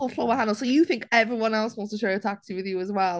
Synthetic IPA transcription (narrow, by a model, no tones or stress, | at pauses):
floʊəɦãnl̩ˠsoʊjɨθɪ̃ŋkɛvɹiwʌ̃nɛlˠswʌ̃nstəʃɛɹɨtʰæksiwɨðjɨəzwɛlˠ